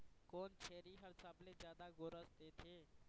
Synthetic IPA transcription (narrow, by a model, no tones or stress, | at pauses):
koːnt͡ʃʰeːɾiɦəɾsaːblezjaːd̪aɡoɾəsd̪eːt̪ʰeː